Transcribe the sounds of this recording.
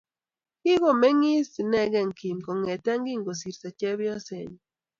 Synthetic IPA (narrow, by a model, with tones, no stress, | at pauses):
ki˦ɣo˦˨mɛ˦ŋi˦si˨nɛ˦ɣɛ˦˨ŋki˨mkɔ˨ŋɛ˨t̪a˦ŋɡi˦˨ŋɡo˨si˨ɾsa˨t͡ʃɛ˦βjɔ˦se˨n˨